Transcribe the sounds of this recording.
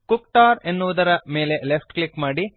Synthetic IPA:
kukʈaːɾenːuʋud̪ɐɾɐme̞ːle̞lepʰʈklikmaːɽi

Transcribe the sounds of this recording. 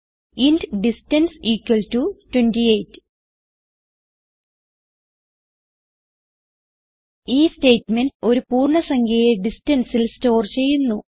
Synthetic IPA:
indɖistɐnsiːkwɐltutwendiejtːɨ̥ | iːste̞ːtmendo̞ɾupuːrɳɐsɐŋɡʰʱɐjeɖistɐnsilsto̞ːrt͡ɕe̞jːunːu

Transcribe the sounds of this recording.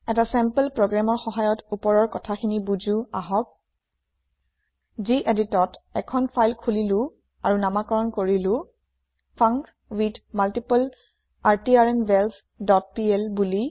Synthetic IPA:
ɛtasɛmpəlpɹɔɡɹamɔɹxɔɦajɔtupɔɹɔɹkɔtʰakʰinibuzuaɦɔk̚ | ziʔeditɔtɛkʰɔnpʰajlkʰulilʊ̃ | aɹunamakɔɹɔnkoɹilʊ̃ | pʰaŋk | widmaltipal | aɹtiaɹɛnbɛls | dɔt̚piɛlbuli

